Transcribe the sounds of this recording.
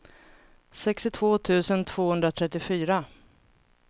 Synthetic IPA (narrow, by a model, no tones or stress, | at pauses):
sɛkst̪ɪt̪ʰvoːt̪ʰʉ̟ːsənt̪ʰv̥oːhɵnd̪ɾat̪ʰɾɛt̪ːɪfyːɾa